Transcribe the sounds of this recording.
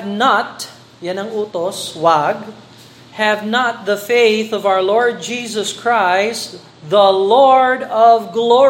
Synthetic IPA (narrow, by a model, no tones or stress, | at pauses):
vnat̪ | janɐŋuːt̪oswaɡ | hɛvnat̪̚ðɐfeɪθɔvawə˞lɔɹd̪̚d͡ʒiːsɔskʰɹaɪst̪ | ðəlɔɹd̪ʌvɡlɔ